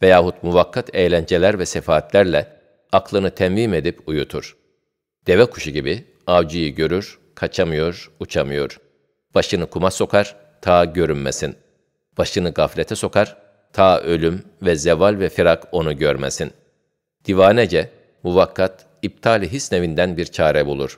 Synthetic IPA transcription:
vɛjaːhut̪muvakːat̪ʰejlʲænd͡ʒelʲæɾvɛsefaːt̪ʰlʲæɾlʲɛ | aklˠɯnɯt̪ʰɛmviːme̞d̪ipujut̪ʰuɾ̥ | d̪̥e̞vɛkʰu̥ʃuɟibi | avd͡ʒijiɟø̞ɾyɾ̥ | kʰat͡ʃʰamɯjo̞ɾut͡ʃʰamɯjo̞ɾ̥ | b̥aʃɯnɯkʰumaso̞kʰaɾ̥ | t̪ʰaːɟø̞ɾynmesin | b̥aʃɯnɯɡaflʲet̪ʰɛso̞kʰaɾ̥ | t̪ʰaːʔø̞lʲym | vɛzɛvalʲvɛfiɾako̞nuɟøɾmḛsin | d̪̥ivaːnɛd͡ʒɛ | muvakʰːat̪̚ | ib̚t̪ʰaːlʲiɦisnevind̪ænbiɾt͡ʃʰaːɾɛbulˠuɾ̥

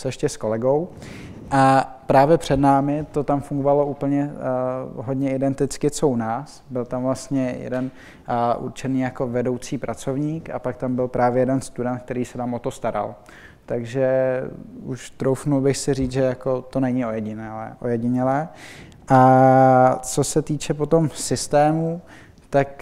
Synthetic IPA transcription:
sɛʃcɛsko̞lɛɡo̞w | ʔapɾaːvjɛpr̥ɛdnaːmɪt̪o̞t̪amfuŋɡovalo̞uːpl̩ɲɛ | ɦo̞dɲɛɪdɛnt̪ɪt͡skɪt͡sounaːs | bɪlt̪amvlast̪ɲɛjɛ̰dɛn | ʔṵɾt͡ʃɛniːjako̞vɛdo̞wt͡siːpɾʔat͡so̞vɲiːka̰pakt̪ambɪlpɾaːvjɛjɛdɛnst̪udɛnt̪k̚t̪ɛɾiːsɛt̪aːmʔo̞t̪o̞st̪aɾa̰l | t̪aɡʒɛ | uʃt̪ɾowfnulbɪxsɪriːt͡sʒɛjako̞t̪o̞nɛɲɪo̞jɛɟɪnɛlɛːʔo̰jɛɟɪɲɛlɛː | ʔa | t͡so̞sɛt̪iːt͡ʃɛpo̞t̪o̞msɪst̪ɛːmu | t̪ak

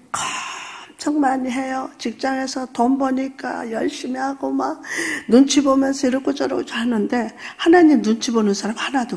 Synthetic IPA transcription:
kʌmt͡ɕʰʌŋmaɲiɦe̞jot͡ɕik̚t͡ɕ͈aŋe̞sʰʌtombʌɲik͈a̰jʌɭɕ͈imiɦaɡomaɡ̚nunt͡ɕʰibomjʌnsʰʌiɾʌk͈ut͡ɕ͈ʌɾʌot͡ɕaɭɦanɯnde̞hanaɲimnunt͡ɕʰibonɯnsʰaɾamhanado

